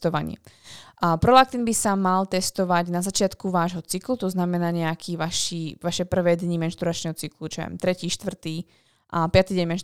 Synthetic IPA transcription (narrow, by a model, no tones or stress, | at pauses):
t̪ɔʋa̰ɲɪ̰ɛ̰ | pɾɔlak̚t̪inbisamalt̪ɛst̪ɔʋaɟnazat͡ʃɪat̪kuʋaːʒɦɔt͡siklut̪ɔznamɛnaːɲɛakʰiːʋaʃiːʋaʃɛpr̩ʋɛːd̪ɲimɛnʃt̪uɾat͡ʃnɛɦɔt͡siklut͡ʃɛ̰mt̪ɾɛciːʃt̪ʋr̩t̪iː | ʔapɪat̪iɟɛɲmɛn